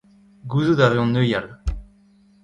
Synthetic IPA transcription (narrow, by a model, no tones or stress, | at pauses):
ɡuzud̪aʁeɔ̃nøjal